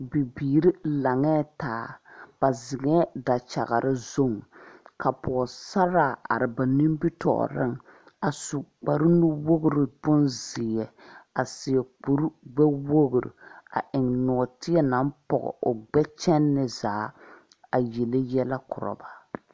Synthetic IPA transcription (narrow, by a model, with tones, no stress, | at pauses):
bi˨biː˨ɾi˦la˨ŋɛː˦taː˨˦b̥a˨zɪ˨ɡɛ˦da˨t͡ʃa̰˨ɣa˨ɾɪ˦zo˦ŋka˨pʰɔ˨sa˦ɾa˦˨a˨ɾɪ˨ba˨ni˦m˦bi˦tɔ̰˨ʔɾɪ̰˦ŋ | a˨su˨k͡pa˨ɾɨ˦nu˦wo˦ɡʊ˦˨ɾɨ˨bʊ˦nzɪ˨ɛ˨a˨sɪ˨jɛ˨k͡pu˦ɾɡ͡bɛ˦wo˦ɡʊ˨ɾḭ˨a̰˨ʔɪ˨ŋnɔ˨tɪ˦ɛ˦na˦m˦pɔ̰˨ɣɔ̰˨ʔʊ˨ɡ͡bɛ˦t͡ʃɛ˦nːɪ˨zaː˨˦ | a˨jɛ˨lɪ˦jɛ˦la˦kʊ˨ɾɔ̰˨ba˨